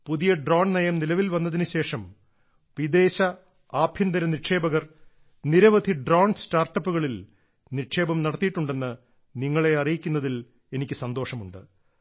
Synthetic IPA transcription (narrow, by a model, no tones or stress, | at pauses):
puðijɐɖroːɳnɐjɐmnilɐʋilʋɐnːɐðinɨɕe̞ːʂɐm | ʋid̪e̞ːɕɐ | aːbʱind̪ɐɾɐniʂe̞ːbɐɣɐr | niɾɐʋɐd̪ʱiɖroːɳstaːrʈːɐpːuɣɐɭil | nirʂe̞ːbɐmnɐɽɐt̪ːijiʈːuɳɖe̞nːɨ | niŋːɐɭe̞ɐrijikʲːunːɐðil | e̞nikʲːɨsɐnd̪o̞ːʂɐmuɳɖɨ